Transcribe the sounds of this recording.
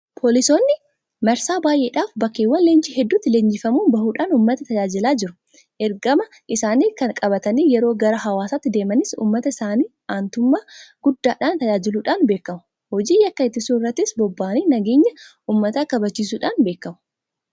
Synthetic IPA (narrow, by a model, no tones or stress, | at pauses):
pʰoːlɪso̞ːnːɪ | mɐɾsaːbaːjʔe̞ːᶑaːfbɐkːeːwːɐnleːnt͡ʃɪɦɛd̪ːʊːt̪ːɪleːɲd͡ʒɪfɐmuːnbɐɦuːᶑaːnuːmːɐt̪ɐt̪ɐd͡ʒaːd͡ʒɪlaːd͡ʒɪɾʊ | ʔɛɾɡɐmɐ | ʔɪsaːniːkɐnkʼɐbɐt̪ɐniːjɛɾo̞ːɡɐɾɐɦɐwaːsaːt̪ːɪd̪eːmɐnɪsṵːmːɐt̪ɐɪsaːniː | aːnt̪ʊmːaːɡ̥ʊd̪ːaːᶑaːnt̪ɐd͡ʒaːd͡ʒɪluːᶑaːnbe̞ːkːɐmʊ̥ | hɔd͡ʒiːjɐkːɐɪt̪ːɪsuːnɪrːɐt̪ːɪsbɔbːaːniːnɐɡeːɲːɐʔuːmːɐt̪aːkɐbɐt͡ʃːiːs̬uːᶑaːnbe̞ːkːɐmʊ̥